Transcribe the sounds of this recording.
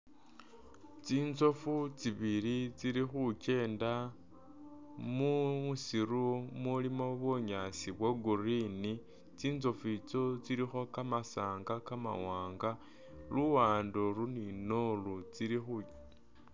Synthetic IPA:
t͡siːnzo̞fut͡siβilit͡siɾixuce̞ːnda | muusiɾumulimo̞βoɲasiβweɡurini | t͡siːnzo̞fit͡so̞t͡siɾixo̞kamasaːŋɡakama̰waːŋɡa | luwaːndoɾuninolut͡siɾixu

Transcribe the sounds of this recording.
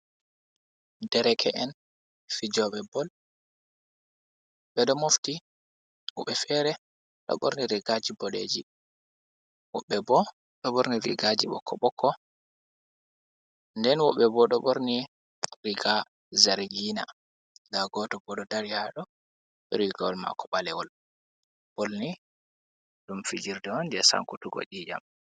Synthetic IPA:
dɛɾɛkʰɛʔɛn | fid͡ʒɔɓɛbɔl | ɓɛɗɔmofti | wɔ̰ɓɛfɛɾɛ | ɗɔ̰ɓo̰ɾniɾiɡad͡ʒibɔlḛːd͡ʒi | wɔ̰ɓːɛbɔ | ɗɔɓoɾniɾḭɡad͡ʒiɓɔ̰kʰːɔɓɔkʰːɔ | ndɛnwɔɓːɛbɔɗɔɓoɾni | ɾiɡa | zaɾɡiːna̰ | ɡaɡɔːtɔbɔɗɔdaɾijaɗɔ | ɓɛɾiɡawɔlma̰kʰɔɓalɛwɔl | b̥olni | ɗumfid͡ʒiɾdɛwɔndɛsa̰ŋkutuɡɔ̰ɗiːd͡ʒa̰m

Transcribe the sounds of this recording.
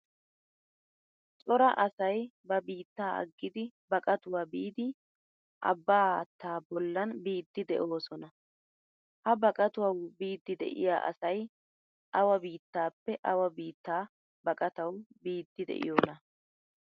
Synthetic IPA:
t͡sʼɔɾɐʔɐsɐjbɐbiːt̪ːaːʔɐ̰ɡːɪd̪ɪbɐkʼɐt̪ʊwaːbiːd̪ɪ | ʔɐ̰bːaːɐt̪ːaːbɔlːɐnbiːd̪ːɪd̪ɛʔo̞ːsɔnɐ | hɐbɐkʼɐt̪ʊwɐwbiːd̪ːɪd̪ɛ̰ʔɪ̰ja̰ːʔɐ̰sɐj | ʔɐwɐbiːt̪ːaːpːɛʔɐwɐbiːt̪ːaː | bɐkʼɐt̪ɐwbiːd̪ːɪd̪ɛ̰ʔɪ̰joːnɐ

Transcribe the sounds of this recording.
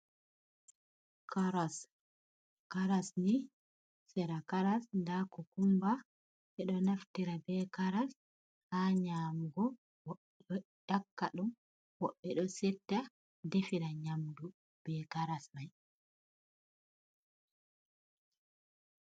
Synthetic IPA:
kaɾas | kaɾasni | sɛɾakaɾasndakɔkumba | ʔɛɗɔnaftiɾabɛkaɾas | haɲamɡɔ | wɔɓɔjakːaɗum | wɔɓːɛɗɔsɛtːa | defiɾaɲamdu | b̥ɛkaɾasmaj

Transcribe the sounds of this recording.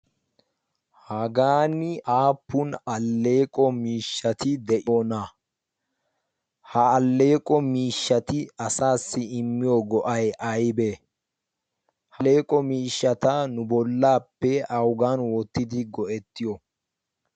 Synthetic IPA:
hɐɡaːnɪʔaːpːʊnɐlːe̞ːkʼɔmiːʃːɐt̪ɪd̪ɛʔɪoːna | hɐːlːe̞ːkʼɔmiːʃːɐt̪ɪɐsaːsːɪɪmːɪjɔɡɔʔɐjʔɐjbeː | hɐle̞ːkʼɔmiːʃːɐt̪ɐnʊbɔlːaːpːɛɐwɡaːnwɔt̪ːɪd̪ɪɡɔʔɛt̪ːɪjɔ

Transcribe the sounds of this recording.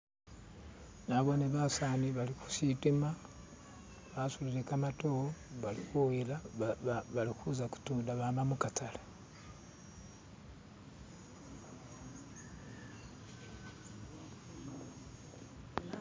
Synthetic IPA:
naβoneβasaːniβaliku̥sitima | βasuliɾekamatooβalikuwila | βalikuzaku̥tuːndaβamamukatʰala

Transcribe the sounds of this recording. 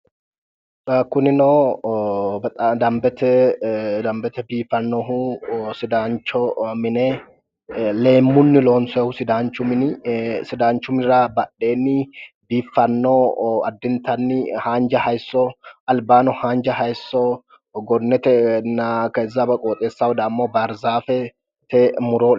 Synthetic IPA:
ɐkʊnɪnɔː | bt̪ʼɐd̪ɐmbɛt̪ɛd̪ɐmbɛt̪ɛbiːfɐnːɔɦʊsɪd̪aːnt͡ʃːɔmɪnɛ | le̞ːmːʊnːɪlo̞ːnsɛhʊsɪd̪aːnt͡ʃːʊmɪnsɪd̪aːnt͡ʃːʊmɪnɪɾabɐɗːe̞ːnːɪ | biːfːɐnːoːɐd̪ːɪnt̪ɐnːɪhaːnd͡ʒɐhɐjsːɔɐlbaːnɔhaːnd͡ʒɐhɐjsːɔ | ɡɔnːɛt̪ɛnɐkezːɐbɐkʼoːt̪ʼeːsːawʊd̪aːmːoːbɐɾzaːfɛ | t̪ɛmʊɾoː

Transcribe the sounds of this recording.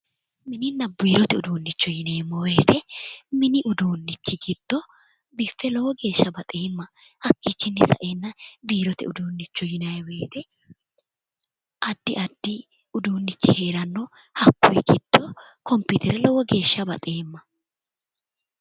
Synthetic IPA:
mɪnɪnːɐbiːɾɔt̪ɛʊd̪uːnːɪt͡ʃːɔjɪneːmːɔwe̞ːt̪ɛmɪnɪʔʊd̪uːnːɪt͡ʃːɪɡɪd̪̥ːɔ | bɪfːɛlɔwɔɡe̞ːʃːɐbɐt̪ʼeːmːɐhɐkːit͡ʃːɪnːɪsɐ̰ʔeːnːɐbiːɾɔt̪ɛ̰ʊd̪uːnːɪt͡ʃːʊjɪnɐjɛwe̞ːt̪ɛ | ʔɐd̪ːɪʔɐd̪ːɪ | ʊd̪uːnːɪt͡ʃːɪhe̞ːɾɐnːɔ | hɐkːʊjɛɡɪd̪̥ːɔkɔmpʊt̪ʰɛɾɛlɔwɔɡe̞ːʃːɐbɐ̰t̪ʼeːmːɐ

